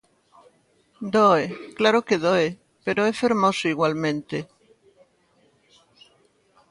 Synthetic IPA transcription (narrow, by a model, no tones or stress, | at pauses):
d̪oeklaɾokeðoe | peɾoefeɾmosoiɣwalmẽnt̪e